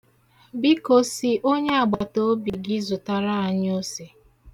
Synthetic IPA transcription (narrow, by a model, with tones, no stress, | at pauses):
bi˦ko˨si˨ʔo˦ɲe˦a˨ɡ͡ba˨to˦bi˨ɡɪ˦zʊ˨ta˨ɾa˦a˨ɲ˦o˦se˨